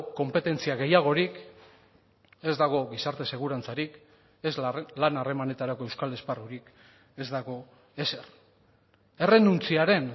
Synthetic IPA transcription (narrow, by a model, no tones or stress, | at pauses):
ko̞mpe̞t̪e̞nt͡siaɣe̞jaɣ̞o̞ɾik | e̞zd̪aɣ̞o̞ɣisaɾt̪e̞se̞ɣ̞uɾant͡saɾik | e̞zlanare̞mane̞t̪aɾako̞e̞wskale̞sparuɾik | e̞zd̪aɣ̞o̞ | e̞se̞r | e̞re̞nunt͡siaɾe̞n